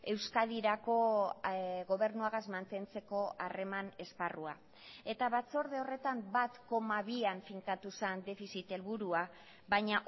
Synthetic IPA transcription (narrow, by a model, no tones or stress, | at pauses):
e̞wskað̞iɾako̞ | ɣo̞β̞e̞ɾnuaɣazmant̪e̞nt͡se̞ko̞are̞mane̞sparua | e̞t̪aβat͡so̞ɾð̞eo̞re̞t̪ambat̪ko̞maβiaɱfiŋkat̪usend̪e̞fisit̪e̞lβuɾua | βajɲaʔ